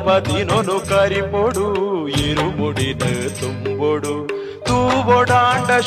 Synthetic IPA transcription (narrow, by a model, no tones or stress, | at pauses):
bɐd̪inonukɐɾipoɽuiɾumuɽinɨt̪umboɽu | t̪uʋɔɽaːɳɖɐ